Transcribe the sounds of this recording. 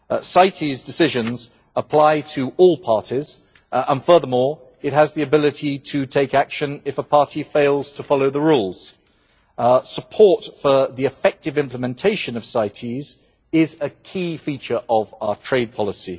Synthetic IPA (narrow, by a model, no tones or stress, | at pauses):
saɪtʰizdɨsɪʒə̃nz | əpʰl̥aɪtʰəʔɔlˠpʰɑɹtiz̥ | ə̃nfɜ˞ðəmɔːɹ | ɪt̚ɦəzðiɨbɪlɪtʰitʰətʰeɪkækʃə̃nɪfəpʰɑɹˑtifeɪlˠz̥tʰəfɑloʊðəɹuːlˠz̥ | səpʰɔɹtfəðiɨfɛk̚tɨvɪ̃mpləmɛ̃ntʰeɪʃə̃nəv̥saɪtʰiz | ɪzəkʰifiˑt͡ʃə˞ʔəvaətʰɹ̥eɪd̚pʰɒləsi